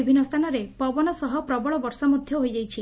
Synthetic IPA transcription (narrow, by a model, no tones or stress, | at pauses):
ibʱinːɔst̪ʰanɔɾepɔbɔnɔsɔɦɔpɾɔbɔɭɔbɔɾsɔmod̪ʱjɔɦojd͡ʒajt͡ʃʰi